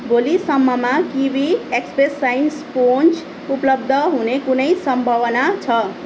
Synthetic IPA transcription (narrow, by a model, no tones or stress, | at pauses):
bolisʌmːʌmakibʱiekspresːajnspont͡s | uplʌb̚d̪ʱʌɦunekunʌjsʌmbʱʌwʌnat͡sʰʌ